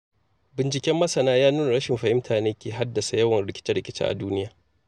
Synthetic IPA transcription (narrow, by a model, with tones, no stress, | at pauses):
bɪ˨nt͡ʃɪ˦kʲɛ˦mːɐ˦sɐ˨naː˦jaː˦nuː˦n˨ɽɐ˦ʃɪ˨mɸɐ˨hɪ˦mtʰaː˨neː˦kʲeː˨ɦa˦dːɐ˨sa˨jɐ˦wɐ˨nɽɪ˦kʲɪ̥˦t͡ʃɪ˦ɽɪ˦kʲɪ˦t͡ʃḭ˦ʔa̰˨duː˦nɪ˦jaː˨